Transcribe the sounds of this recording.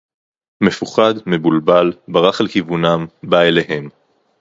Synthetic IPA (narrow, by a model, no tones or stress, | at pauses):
me̞fuχad̪me̞bulbalbaʁaχalkivunambaeleɦe̞m